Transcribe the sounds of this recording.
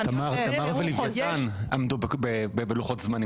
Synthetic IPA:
t̪amaʁt̪amaʁvelivatanamd̪ubbebebeluχotzmani

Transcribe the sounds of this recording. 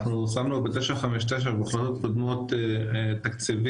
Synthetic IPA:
χnusamnubet̪eʃaχameʃ̬t̪eʃ̬aʁbeχlot̪ot̪̚kod̪mot̪t̪ːakt͡sivi

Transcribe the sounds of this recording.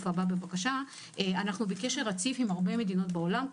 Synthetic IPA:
fababebakaʃa | ʔeanaχnubekeʃe̞ʁat͡sifimaʁbe̞me̞d̪ino̞tbeo̞lam

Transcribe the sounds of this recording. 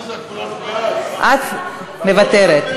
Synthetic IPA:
ʔat̪ | mevat̪eɾet̪

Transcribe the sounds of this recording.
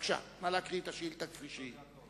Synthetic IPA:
kʃa̰malakʁit̪aʃilt̪akfʁiʃi

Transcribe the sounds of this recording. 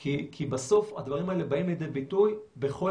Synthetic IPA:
kikʰibaso̞fad̪vaʁimae̞lebaimledebit̪ujbe̞χo̞

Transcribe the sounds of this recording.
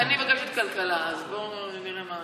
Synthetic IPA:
anivaɡaʃet̪kalkalaazbo | niʁema

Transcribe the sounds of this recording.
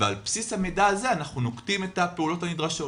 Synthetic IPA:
vealpsishamedaːze̞anaχnuno̞ktime̞tapeulo̞tanidʁaʃo̞

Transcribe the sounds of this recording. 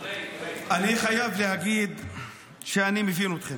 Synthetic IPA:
ʔaniχajavlehaɡiːd̪ | ʃeanimivinut̪χin

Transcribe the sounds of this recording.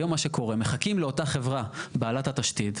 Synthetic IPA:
jomːaʃeko̞ʁe̞me̞χakimleo̞taχe̞vʁabaːlathataʃtid

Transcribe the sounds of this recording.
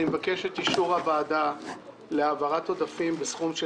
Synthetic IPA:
imvake̞ʃetiʃuʁhabaːda | leavaʁato̞dafimbesχumʃ

